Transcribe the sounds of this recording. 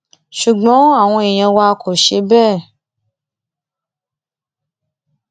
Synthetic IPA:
ʃu˨ɡ͡bɔ̃˨˦a˨w̃ɔ̃˧e˨j̃ɛ̃˨wa˧kʰo˨ʃe˧bɛ˦˨

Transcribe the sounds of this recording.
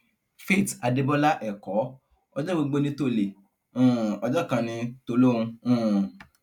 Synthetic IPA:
fe˦˨ta˧de˧bɔ˦la˦ʔɛ˨kɔ˨˦ | ɔ˧d͡ʒɔ˦ɡ͡bo˧ɡ͡bo˧nĩ˧to˦˨le˨ | ũ˦˨ɔ˧d͡ʒɔ˦˨kã˧nĩ˧to˧lo˦ũ˧ũ˦˨

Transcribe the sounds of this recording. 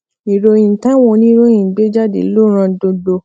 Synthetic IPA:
i˨ɾo˧ĩ˨tã˦wɔ̃˧nĩ˦ɾo˦ĩ˨ɡ͡be˨˦d͡ʒa˦˨dḛ˨˦lo˦˨ɾ̃ã˧dõ˧do˧

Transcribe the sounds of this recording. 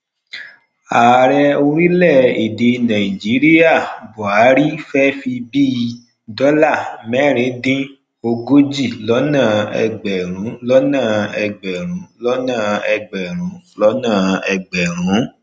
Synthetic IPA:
a˨ɾɛ˧o˧ɾi˦lɛ˦˨i˨de˧nã˨i˨d͡ʒi˨˦ɾi˦ja˦˨bɔ˨a˨˦ɾi˦fɛ˦fi˧biː˦˧ | dɔ˦la˦˨mɛ˦˨ɾ̃ĩ˨˦dĩ˦ | o˧ɡo˦d͡ʒi˦˨lɔ˨˦nãː˦˨ɛ̰˧ɡ͡bɛ˨ɾ̃ũ˨˦lɔ˦nã˦˨ɛ˧ɡ͡bɛ˨ɾ̃ũ˨˦lɔ˦nã˦˨ɛ˧ɡ͡bɛ˨ɾ̃ũ˨˦lɔ˦nãː˦˨ɛ˧ɡ͡bɛ˨ɾ̃ũ˨˦

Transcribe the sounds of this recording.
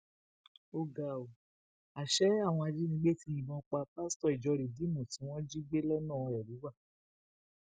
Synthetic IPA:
o˧ɡa˨o˨ | a˨ʃɛ˨˦a˦˨w̃ɔ̃˧a˧d͡ʒi˦nĩ˧˦ɡ͡be˦˨ti˧ĩ˨bɔ̃˧k͡pa˧˦pa˦stɔ˦˨i˨d͡ʒɔ˧ɾi˨di˨˦mũ˨tĩ˨˦w̃ɔ̃˦d͡ʒi˦ɡ͡be˦lɛ˦nã˦˨˧ɛ˨ɾi˨˦wa˦˨

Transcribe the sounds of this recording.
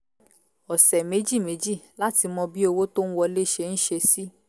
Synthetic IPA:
ɔ˨sɛ˨me˨˦d͡ʒi˦˨me˨˦d͡ʒi˦˨la˦ti˧mɔ̃˧bi˦o˧wo˦to˦n̩˦wɔ˧le˦˨ʃe˧n̩˦ʃe˧si˦

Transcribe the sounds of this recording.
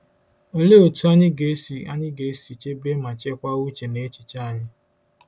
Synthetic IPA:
o˦le˦o˨tu˦a˦ɲɪ˦ɡe˨˦si˨a̰˦ɲɪ˦ɡe˨˦si˨t͡ʃe˦be˦ma˨t͡ʃe˦kʷa˦u˦t͡ʃe˨ne˦t͡ʃi˨t͡ʃa˦a˨ɲɪ˦

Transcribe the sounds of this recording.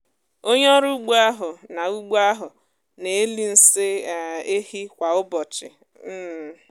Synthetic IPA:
o˦ɲ˦ɔ˦ɾu˦ɡ͡bu˦a˦ɦʊ˨na˨u˦ɡ͡bu˦a˦ɦʊ˨ | ne˨e˦li˦n̩˦sɪ˦˨e˦hi˦kʷa˨ʊ˦bɔ˨t͡ʃɪ̰˨ | m̩˦˨

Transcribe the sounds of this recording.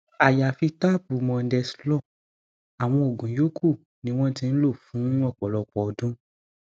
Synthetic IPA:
a˨ja˨fi˧ta˦˨bu˨mɔ̃˧n̩˦dɛ˧si̥˦lɔ˦˨ | a˨w̃ɔ̃˧o˨ɡũ˨jo˨˦kʰu˦˨ | nĩ˧˦w̃ɔ̃˦tĩ˧n̩˦lo˦˨fũ˨˦ɔ˦˨k͡pɔ˨lɔ˧k͡pɔ˨dũ˦

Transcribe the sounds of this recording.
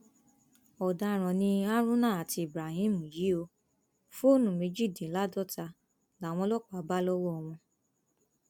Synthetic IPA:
ɔ˨da˧˦˨ɾ̃ɔ̃˨nĩ˧a˦ɾũ˦nãː˦˨a˨ti˧i˨bɾa˨hĩ˦˨mũ˨ji˨˦o˧ | fo˦nũ˨me˨˧d͡ʒi˦˨dĩ˨˦la˨˦dɔ˦˨ta˧ | la˨˦w̃ɔ̃˧lɔ˦˨k͡pa˨˦ba˦lɔ˦wɔ˦ɔ˧w̃ɔ̃˧

